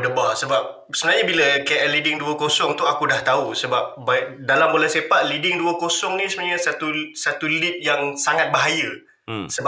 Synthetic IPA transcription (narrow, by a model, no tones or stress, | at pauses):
dəbasəbap̚ | səmənaɲəbiləkaʔəlidɪŋduəkosɔŋt̪uakudaht̪ausəbap̚badalambolasepaʔ̪lidɪŋduəkosɔŋnĩsəmənɲasat̪usat̪ulip̪̚jaŋsaŋat̪̚baɦajə | səba